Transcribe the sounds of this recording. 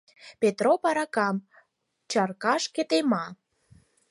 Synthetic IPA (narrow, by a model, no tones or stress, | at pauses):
pet̪ɾopɑɾɑkɑm | t͡ɕɑrkɑʃket̪emɑ